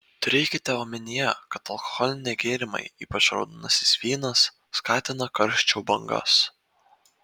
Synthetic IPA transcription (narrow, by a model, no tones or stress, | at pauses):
t̪ʊɾʲɛɪkʲɪt̪ʲɛoːmʲɛnʲɪjɛkɐt̪ɐlˠkɔ̥xɔlʲɪnʲɛɪɡʲeːɾʲɪmɐ̰ɪiːpɐt͡ʃɾɒ̰ʊd̪ɪnɐsʲɪ̥sʲʋʲiːnɐs | skɑːt̪ʲɪnɐkɐɾʲʃʲt͡ʃʲɛʊbɐŋɡɐ̰s